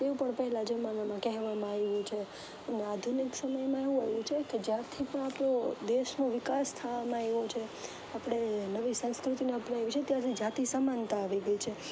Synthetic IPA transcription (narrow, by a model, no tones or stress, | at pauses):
t̪eũpəɳpəɦɛlad͡ʒəmanamãkɛɦʋamãaeʋũt͡ʃʰe | nead̪ʱuniksəməjmãeʋũeʋũt͡ʃʰeked͡ʒjãt̪ʰipəɳ̃apɽod̪eʃnoʋɪkast̪ʰaʋamãeʋot͡ʃʰe | apɽ̃enəʋisə̃nskɾut̪ineapɽaeʋit͡ʃʰet̪jaɾt̪ʰid͡ʒat̪isamant̪aːʋiɡəjt͡ʃʰe